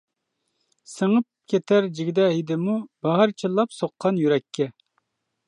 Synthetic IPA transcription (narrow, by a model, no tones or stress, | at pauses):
səŋəp̚kʲʰet̪ʰæɾd͡ʒiɡʲɪd̪ɛɦid̪ɪmub̥ɑɦɑɾt͡ʃʰilˠːɑpsoqʰːɑnjyɾɛkʲʰːɛ